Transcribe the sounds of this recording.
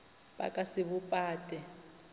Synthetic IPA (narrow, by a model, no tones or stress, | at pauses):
ba̰kʼasɪβupʼaːtʼɛ